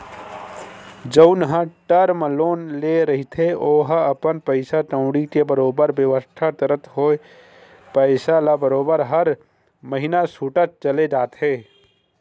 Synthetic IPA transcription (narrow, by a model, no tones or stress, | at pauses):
d͡ʒəʊnɦə̃ʈəɾməloːnleɾəɦit̪ʰeoːɦəpənpəɪsaʈə̃ʊ̃ɽikebəɾoːbəɾbjəʋəst̪ʰat̪əɾət̪ʰɦoːe | pəɪsalabəɾoːbəɾɦəɾ | məɦɪnasuːʈət̪̚t͡ʃəled͡ʒaːt̪ɦeː